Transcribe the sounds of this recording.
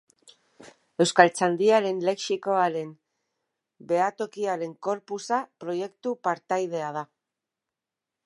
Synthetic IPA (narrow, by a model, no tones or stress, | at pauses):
e̞wskalt͡sand̪iaɾe̞nle̞ksiko̞aɾe̞m | be̞at̪o̞kiaɾe̞ŋko̞ɾpusapɾo̞je̞kt̪upaɾt̪ajð̞e̞að̞a